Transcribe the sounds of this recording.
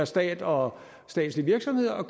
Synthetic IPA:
ɐsd̥ɛ̰ːd̥ɒ̽ | sd̥ɛ̰ːd̥sliʋiɐɡ̥sɒ̽mhe̝ð̞̰ˠɐɒkʰ

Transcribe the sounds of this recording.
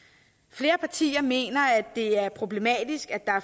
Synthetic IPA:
fle̝ːɐpʰɑ̈t͡sʰḭːɐme̝̰ːnɐæd̥ːe̝æɐpʰʁo̝b̥le̝mɛ̰ːd̥isɡ̥æd̥ɑ̈æɐ

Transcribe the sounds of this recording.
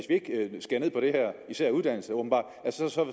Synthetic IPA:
esʋie̝ɡ̥sɡ̥eɐne̝ð̰ˠpɒɾ̥e̝hæɐ̰isæɐ̰uðˠd̥æn̰l̩səob̥m̩bɑ̰̥̈ː | ælsə̥sɒ̽sɒ̽

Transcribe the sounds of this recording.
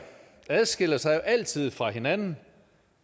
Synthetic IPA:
æð̞ˠsɡ̥el̰ɐsɑ̈ɪoʔæl̰t͡sʰið̰ˠfʁɑ̈ɦe̝nænn̩

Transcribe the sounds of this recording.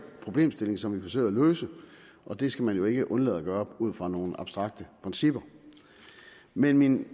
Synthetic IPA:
pʰʁo̝b̥le̝̰ːmsd̥e̝le̝ŋsɒ̽mʋifɒ̽s̬ø̰ɪ̰æløːsə | ʔɒ̽d̥e̝sɡ̥æmænjo̝e̝ɡ̥əʔɔ̽nlɛ̰ð̩ˠæɡ̥ɶːɐɒb̥uð̞̰ˠfʁɑ̈no̝ːn̩ɑ̈b̥sd̥ʁɑ̈ɡ̥̚d̥əpʰʁɛnsib̥ɐ | menmin

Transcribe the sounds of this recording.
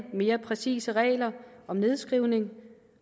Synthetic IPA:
me̝ːɐpʰʁɛsḭːsəʁɛ̰ːlɐʔɒ̽mne̝ð̞ˠsɡ̥ʁiʊne̝ŋ

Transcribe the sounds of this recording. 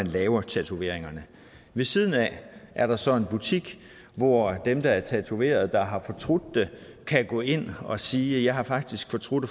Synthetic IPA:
ænlɛːʊɐt͡sʰæt͡sʰuʋe̝̰ɐe̝ŋɐnə | ʋe̝siðˠən̩æʔæɐɾ̥ɑ̈sɒ̽e̝nb̥ut͡sʰiɡ̥ | ʋɒd̥emd̥ɑ̈æɐt͡sʰæt͡sʰuʋe̝̰ːɐð̞ˠd̥ɑ̈ɦɑ̈fɒ̽t͡sʰʁod̥ːe̝kʰæɡ̥ɔ̰ːe̝n̰ɒ̽siːjɑ̈ɪɦɑ̈fɑ̈ɡ̥d̥isɡ̥fɒ̽t͡sʰʁod̥

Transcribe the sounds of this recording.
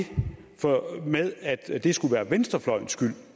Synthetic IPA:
fɒmeðˠæd̥d̥e̝sɡ̥uʋæːɐʋensd̥ʁɐflɒ̽ɪ̰n̩sɡ̥yl̰

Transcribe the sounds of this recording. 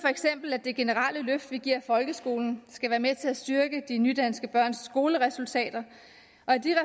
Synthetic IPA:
fɒ̽eɡ̥sem̰b̥l̩æd̥e̝ɡ̥e̝nəʁɑləløfd̥ʋiɡ̥iɐ̰fɒ̽lɡ̥əsɡ̥o̝ːln̩sɡ̥æʋæːɐmet͡sʰe̝æsd̥yɐɡ̥əd̥inyd̥ænsɡ̥əb̥ɶɐ̰nsːɡ̥o̝ːləʁɛsult͡sʰɛ̰ːd̥ɐ | ʔɒ̽æd̥iʁɛ

